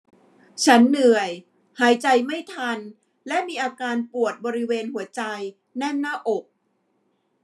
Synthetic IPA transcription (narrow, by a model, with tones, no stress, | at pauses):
t͡ɕʰa˦˥nːɯ˨˩əj | haː˩˦jt͡ɕa˧jma˥˩jt̪ʰa˧n | lɛ˦˥ʔmiː˧ʔaː˧kaː˧npu˨˩ət̪̚bɔː˧ɾi˦˥weː˧nhu˩˦ɐt͡ɕa˧j | nɛ˥˩mnaː˥˩ʔo˨˩k̚